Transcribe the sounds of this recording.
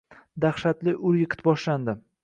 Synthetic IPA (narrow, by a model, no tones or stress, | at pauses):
d̪aχʃat̪lɪʔʊɾjɪqʰɨ̥t̪̚bɒʃland̪ɪ